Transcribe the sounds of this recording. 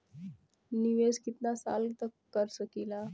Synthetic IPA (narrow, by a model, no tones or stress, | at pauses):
niʋeskit̪nasa̰lt̪əkkːəɾsəkila